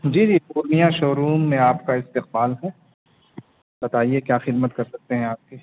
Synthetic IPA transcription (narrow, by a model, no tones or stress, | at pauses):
d͡ʒiːd͡ʒiːpuːɾnijaʃoːɾuːmːẽaːpkaɪst̪ɪq̚baːlɦɛ | b̥ɐt̪aːiekjaːxɪd̪mət̪kɐɾsɐk̚t̪eɦɛ̃aːp̚kiː